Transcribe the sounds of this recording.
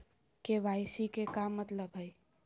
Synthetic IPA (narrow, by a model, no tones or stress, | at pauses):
keʋajsikekamːət̪ləbɦəj